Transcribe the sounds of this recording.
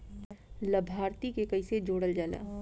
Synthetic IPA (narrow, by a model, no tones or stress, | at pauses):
lɐbʱaːɾt̪ikekɐised͡ʒoːɽəld͡ʒaːla̰ː